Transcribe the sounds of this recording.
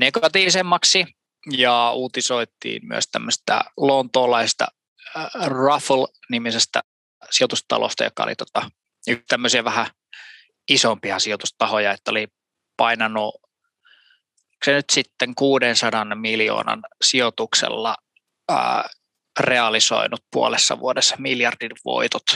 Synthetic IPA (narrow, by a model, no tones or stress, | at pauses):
neɡɑt̪iːʋisemːɑksi | jɑuːt̪isoit̪ːˑḭːmmy̰ø̰st̪æmːøst̪æ̰lont̪oːlɑisest̪ɑ̰ | rɑflnimisest̪æ̰ | siot̪ust̪ɑ̰lo̰st̪ɑ̰jo̰kːɑ̰o̰lḭt̪o̥t̪ɑ | yt̪æmːøsiɑʋæhæ | isompiɑsiot̪ust̪ɑhojɑet̪ːæoli | pɑinɑnu | senyt̪sit̪ːeŋkuːdensɑdɑnmiljo̰ːnɑ̰nsiot̪uksḛlːɑ̰ | reɑliso̰inut̪̚puolesːɑ̰ʋuodesːɑ̥miljɑrdinʋo̰it̪ot̪